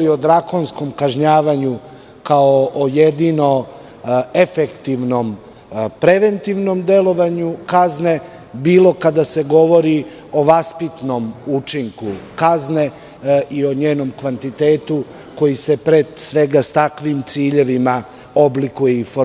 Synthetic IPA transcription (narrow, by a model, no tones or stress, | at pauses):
ɾiod̪ɾakonsko̞mkaʒɲaːʋaɲu | kaoʔojed̪ino̞ | efekt̪iʋno̞m | pɾe̞ʋe̞nt̪iʋno̞md̪e̞lo̞ʋaɲukazne̞ | biːlo̞kad̪ase̞ɡo̞ʋo̞ɾi | o̞ʋaspit̪no̞mut͡ʂiŋkukazne̞ | ʔio̞ɲeːno̞mkʋant̪it̪e̞ːt̪u | ko̞jise̞pɾed̪sʋe̞ɡast̪akʋimt̪siːʎe̞ʋima | o̞blikujeifo